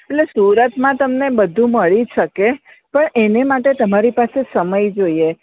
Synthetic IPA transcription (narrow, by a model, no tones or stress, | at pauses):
eʈlesuɾət̪mãt̪əmnebəd̪ʱũməɭiʃəke | pəɳenemaʈet̪əmaɾipasesəməjd͡ʒoie